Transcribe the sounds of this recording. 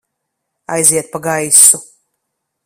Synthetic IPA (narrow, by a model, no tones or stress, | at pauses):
a̰jziɛt̪̚paɡajsu